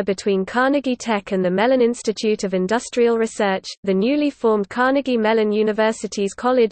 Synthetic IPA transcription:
bɪtʰw̥ĩːnkʰɑːnəɡitʰɛkʰə̃nðəmɛlə̃nɪ̃nstɪt͡ʃʰʉˑtəvɪ̃ndʌstɹ̥iəlˠɹɪsɜˑt͡ʃðənjʉːlifɔːmkʰɑːnəɡimɛlə̃njʉːnɪvɜˑsɪtʰiz̥kʰɒlɪd͡ʒ

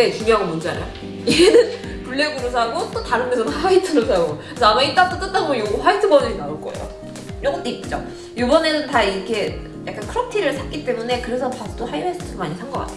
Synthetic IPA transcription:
et͡ɕumjɦaɡomond͡ʑ͈ana̰jo | ienɯn | puɭːe̞ɡuɾosʰaɡot͈otaɾɯnmːesʰʌnɸaitʰɯɾosʰaɡoksʌamait͈ak̚t͈ot͈ɯt͈aɡojoɡoɸaitʰɯbʌdɯɲinauɭk͈ʌḛjo̰ | iɾʌŋɡʌt͈oik̚t͡ɕ͈o | jobʌne̞nɯntaiɾkʰe̞ | ja̰k͈ankʰɯɾʌk̚tʰiɾɯɭsʰak͈it͈e̞mune̞kɯɾe̞sʰʌpast͈osʰajoɦesʰʌt͈ʰomaɲisʰaŋɡʌk͈a̰tʰe

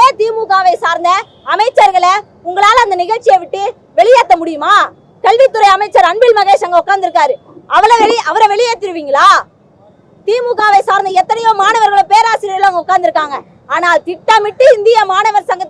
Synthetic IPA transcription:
eːt̪iːmuɣaːʋɐɪsaːɾnd̪ɐ | ɐmɐɪt͡ʃːɐɾɣɐɭɐ | ʊŋɡɐɭaːlɐɐnd̪ɐnɪɣɐɭt͡ʃːɪjɐʋɪʈːɯ | ʋɛɭɪjaːt̪ːɐmʊɽɪjɯmaː | kɐɭʋɪt̪ːɯɾɐɪɐmɐɪt͡ʃːɐɾɐɳbɪlmɐɣeːʂɐŋɡɐʊkːaːɾnd̪ɪɾɯkːaːɾɯ | ɐʋɐlɐʋɛɭɪɐʋɐɾɐʋɛɭɪjaːt̪ːɪɾɯʋiːŋɡɐɭaː | t̪iːmuɣaːʋɐɪsaːɾnd̪ɐɛt̪ːɐnɐjoːmaːnɐʋɐɾɣɐɭopeːɾaːsɪɾɪɣɐɭoŋɡɐʊkːaːnd̪ɪɾɯkːaːŋɡɐ | aːnaːt̪ɪʈːaːmɪʈːɯɪnd̪ɪjɐmaːnɐʋɐɾsɐŋɡɐt̪ː

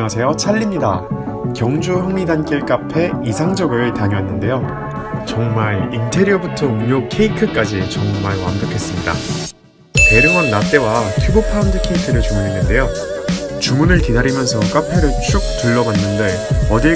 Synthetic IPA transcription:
ŋasʰe̞jot͡ɕʰaʎːimɲida | kjʌŋd͡ʑujʌŋidank͈iɭk͈apʰe̞isʰaŋd͡ʑʌɡɯɭtaɲʌɦenːɯnde̞jo | t͡ɕʌŋmaɭintʰe̞ɾiʌbutʰʌuɲokʰe̞ikʰɯk͈ad͡ʑit͡ɕʌŋmaɭwa̰nbʌkʰe̞s͈ɯmɲida̰ | te̞ɾɯŋʌnːat͈e̞watʰubopʰandɯkʰeikʰɯɾɯɭt͡ɕumunɦenːɯnde̞jo | t͡ɕumunɯɭkidaɾimjʌnsʰʌk͈apʰe̞ɾɯɭt͡ɕʰuk̚t͈uɭːʌbanːɯnde | ʌdi

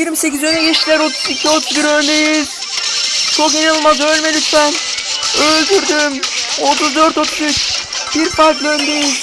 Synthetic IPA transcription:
jiɾmse̞ɡʲizøneɡeʃilæɾot̪zikʰʲio̞t̪ʰuzbiɾønd̪ejiz̥ | t͡ʃʰokinɯlˠmɑzølmelyt̪pæn | øzd̪yɾd̪ymot̪uzd̪øɾt̪ot̪ʰuzyt͡ʃ | b̥iɾfɑd̪lʲˠønd̪ejiz

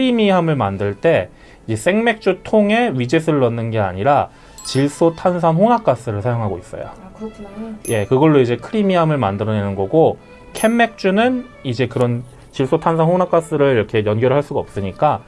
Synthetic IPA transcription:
kʰɯɾimiɦamɯɭmandɯɭt͈e̞ | id͡ʑe̞s͈e̞ŋme̞k̚t͡ɕ͈utʰoŋe̞ɥid͡ʑes̬ʰɯɾɯɭːʌnːɯnɡe̞a̰ɲiɾa | t͡ɕiɭs͈otʰans̬ʰanɸonak͈as͈ɯɾɯɭsʰajoŋɦaɡois͈ʌ̰jo̰ | je̞kɯɡʌɭːoid͡ʑe̞kʰɯɾimiɦamɯɭmandɯɾʌnenɯnɡʌɡo | kʰe̞mːe̞k̚t͡ɕ͈unɯn | id͡ʑe̞kɯɾʌn | t͡ɕiɭs͈otʰansʰanhonak͈as͈ɯɾɯɭiɾʌkʰe̞jʌnɡjʌɾɯɭɦaɭs͈uɡaʌp̚s͈ɯɲik͈a

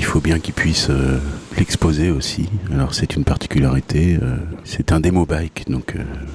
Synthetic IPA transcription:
ilfobjɛ̃kʲilpɥisølɛkspozeosialɔʁsɛt̪ynpaʁt̪i̥kʲylaʁit̪ʰeøsɛt̪ɛ̃d̪emobajkd̪ɔ̃kʰø̰

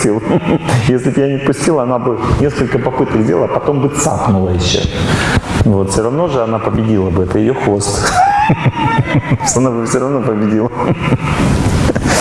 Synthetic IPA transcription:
tʲilˠjesʲlʲɪbjanʲɪpʊsʲtʲilˠɐnabɨnʲe̞skəlʲkəpɐpɨt̪əɡzʲdʲelˠpɐt̪o̞mbɨt̪sa̰pnʊlˠəjɪɕːo̰ | vo̞t̪fsʲoɾɐvno̞ʐɨɐnapəbʲɪdʲilˠəbɨɛt̪əjɪjoxost̪ | ʂt̪oɐnabɨfsʲoɾɐvnopəbʲɪdʲilˠə

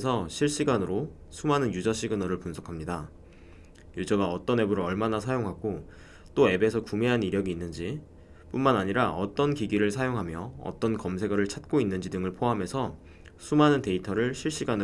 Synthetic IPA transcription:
sʰʌɕʰiɭɕ͈iɡanɯɾosʰumanɯnjud͡ʑʌɕʰiɡɯnʌɾɯɭpunsʰʌkʰamɲida | jud͡ʑʌɡaʌt͈ʌne̞buɾɯʌɭmanasʰajoŋɦaɡo | t͈oe̞be̞sʰʌkumeɦaniɾjʌɡiːnːɯnd͡ʑi | p͈unmanaɲiɾaʌt͈ʌnkiɡiɾɯɭsʰajoŋɦamjʌʌ̰t͈ʌnkʌmsʰe̞ɡʌɾɯɭt͡ɕʰat̚k͈oinːɯnd͡ʑidɯŋɯɭpʰoame̞sʰʌ | sʰumanɯnte̞itʰʌɾɯɭɕʰiɭɕ͈iɡanɯ

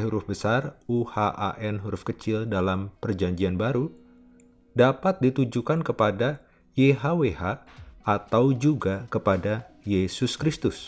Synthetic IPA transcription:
ɦuɾʊfbəsaruhaʔa̰ʔɛnɦuɾʊfkət͡ʃɪldalampərd͡ʒaɲd͡ʒianbaɾu | dapat̪̚dit̪ud͡ʒukankəpada | jeɦaweha | at̪awd͡ʒuɡakəpada | jesʊskɾist̪ʊs

